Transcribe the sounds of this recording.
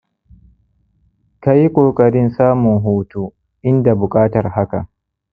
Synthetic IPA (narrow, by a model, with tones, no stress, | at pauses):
ka˦ji˦kʷʼoː˨kʼɐ˨ɾɪ˦nsaː˦mʊ˨ŋɦuː˦tuː˦ | ʔɪ˦nda˨bʊ˨kʼaː˦tɐ˨rha˦ka̰˨